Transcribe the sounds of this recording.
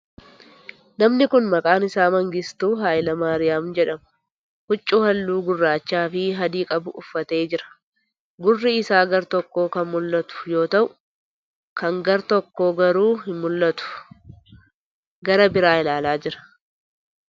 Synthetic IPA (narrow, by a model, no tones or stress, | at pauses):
nɐmnɪkʊnmɐkʼaːnɪsaːmɐŋɡɪst̪uːɦaːjlɐmaːɾɪjaːmd͡ʒɛᶑɐmɐ̥ | hʊt͡ʃʼːʊhɐlːuːɡʊrːaːt͡ʃːaːfɪɦɐd̪iːkʼɐbʊʔʊfːɐt̪e̞ːd͡ʒɪɾɐ̥ | ɡʊrːɪɪsaːɡɐɾt̪ɔkːo̞ːkɐnmʊlːɐt̪ʊ̥jo̞ːt̪ɐʔʊ | kɐŋɡɐɾt̪ɔkːo̞ːɡɐɾuːhɪnmʊlːɐt̪ʊ̥ | ɡɐɾɐbɪɾaːɪlaːlaːd͡ʒɪɾɐ̥